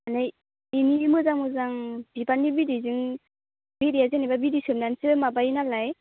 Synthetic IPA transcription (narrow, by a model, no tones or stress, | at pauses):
anaj | inimɯzaŋmɯzaŋb̥ibanibidizɯŋ | bidiazenababidisɯmnansɯmabainalaj